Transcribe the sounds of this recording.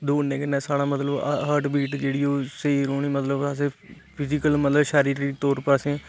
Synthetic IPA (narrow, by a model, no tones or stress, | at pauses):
d̪oːnẽːkənːɛːsaːɽaːmət̪ləbɦəɾʈbiːʈd͡ʒeːɽiːoːseiɾoːɳiːmət̪ləbəs̬eː | pʰɪzɪkəlmət̪ləbʃaːɾiːɾit̪oːɾpəɾəsẽː